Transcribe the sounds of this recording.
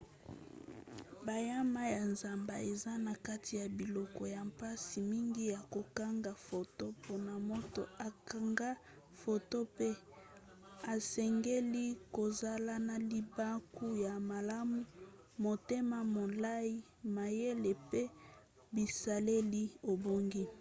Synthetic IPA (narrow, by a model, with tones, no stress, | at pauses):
ba˨ja˦ma˦ja˨nza˨mba˨e˨za˦na˨ka˦ti˨ja˨bi˨lɔ˨kɔ˨ja˨mpa˦si˨mi˦ŋɡi˦ja˨ko˨ka˦ŋɡa˨fo˨to˦po˨na˨mo˦to̰˦a˨ka˨ŋɡa˦ | fo˨to˦pe˦ | a˨sɛ˨ŋɡe˦li˦ko˨za˨la˦na˨li˨ba˦ku˦ja˨ma˨la˦mu˦ | mo˨te˦ma˨mo˨la˦i˦ | ma˨je˦le˨pe˦ | bi˨sa˨le˦li˦o˨bo˦ŋɡi˦